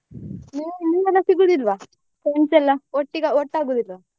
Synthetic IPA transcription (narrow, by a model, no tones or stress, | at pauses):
niniɛlːɐsiɡud̪iɾʋaː | pɾeɳsɛlːɐoʈːiɡaɔʈːaːɡuːd̪iɾʋaː